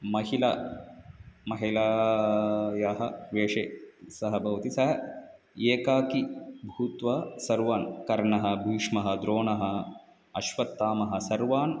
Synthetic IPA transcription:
mɐɦilɐ | mɐɦilaː | jaːɦɐʋeːʂeːsɐɦɐbʱɐʋɐt̪isɐɦɐ | eːkaːkibʱuːt̪ʋɐsɐɾʋaːnkɐɾɳɐɦɐ̆bʱiːʂmɐɦɐd̪ɾoːɳɐɦɐ | ɐʃʋɐt̪ːaːmɐɦɐsɐɾʋaːn

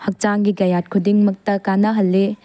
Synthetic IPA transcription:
hɐk̚t͡ʃaŋɡiɡɐjat̚kʰudiŋmɐk̚tɐkanɐɦɐlːe

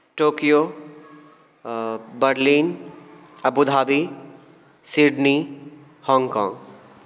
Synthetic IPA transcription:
ʈoːkijoː | bəɾliːn | ɐbud̪ʱaːbi | siɖni | hɔ̃ːŋɡkɔ̰̃ːŋɡ

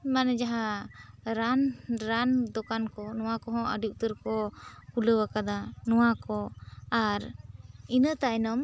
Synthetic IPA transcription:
manɛd͡ʒaɦa | ɾanɾand̪ɔkankɔnɔwakɔɦɔ̃ʔəɖuʔ̚t̪əɾkɔkuləwakad̪anɔwakɔaɾinət̪aʔɛnɔm

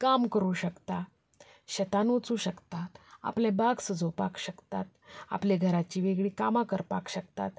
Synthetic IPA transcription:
kamkəɾuːɕəkt̪a | ɕət̪anʋət͡suːɕəkt̪at̪a̰plɛ̃baɡsəd͡zopakɕəkt̪at̪̚a̰pleɡʱəɾat͡ɕiːʋeɡɭiːkamakəɾpakɕək̚t̪a̰t̪

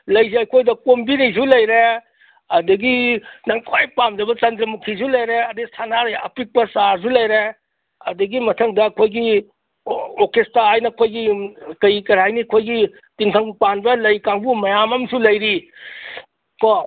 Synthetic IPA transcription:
lɐjzeɐjkʰojdɐkombinis̬ulɐjɾe | ɐdɐɡinɐŋkʰajpamzɐbɐt͡ʃɐndɾɐmukʰizulɐjɾeɐdisʰanaɾɐjɐpik̚pɐsaɾs̬ulɐjɾe | ɐdɐɡimɐtʰɐŋdɐːkʰojɡi | okestaajnɐkʰojɡikɐjkɐɾajniɐkʰojɡi | tiŋtʰɐŋpanbɐlɐjkaŋbumɐjamɐmsulɐjɾi | kɔ

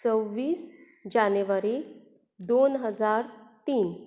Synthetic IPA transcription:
t͡səwʋiːs | d͡ʑanəʋəɾi | d̪onɦəd͡zaɾt̪iːn

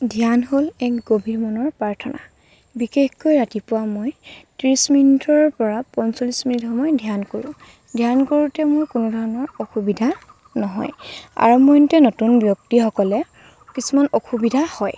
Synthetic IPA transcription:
dʱijanɦolɛkɡobʱimɔnɔɹpɹaɹtʰɔna̰ | bixexkojɹatipʊwamojtɹisminitʰɔɹpɔɹapɔnsolisminitxɔmɔjdʱijankoɹʊ̰̃ | dʱjankoɹutɛmojkʊnudʱɔɹɔnɔɹoxubidʱa | nɔɦɔ̰ja̰ɹumɔjntɛnotunbjɔk̚tixɔkɔlɛ | kisumanoxubidʱahɔj

